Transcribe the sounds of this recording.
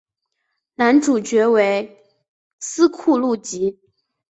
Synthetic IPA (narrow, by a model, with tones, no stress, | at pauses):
na˧˥nʈ͡ʂu˨˩t͡ɕɥɛ˧˥we˧˥ɪ | sɹ̩˥kʰu˥˧lu˥˩t͡ɕi˧˥